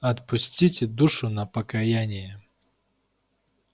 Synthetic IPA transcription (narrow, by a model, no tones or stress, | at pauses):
ɐt̪̚pʊsʲtʲitʲɪd̪uʂʊnɐpəkɐjanʲɪjə